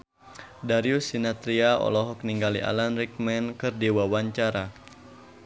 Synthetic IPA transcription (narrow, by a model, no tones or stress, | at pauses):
daɾiusinat̪ɾiaɔ̰lɔɦɔk̚niŋɡaliʔa̰lanrik̚mɛnkɨrdiwawaɲt͡ʃaɾa